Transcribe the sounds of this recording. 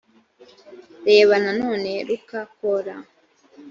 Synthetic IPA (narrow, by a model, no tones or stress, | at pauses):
ɾe̞ːβanano̞ːne̞ɾukakoɾa